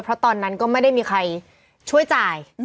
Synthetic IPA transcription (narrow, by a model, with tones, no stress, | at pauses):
pʰɾɔ˦˥t̪ɔː˧nːa˦˥nkɔː˥˩ma˥˩jda˥˩jmiː˧kʰa˧j | t͡ɕʰu˥˩əjt͡ɕaː˧j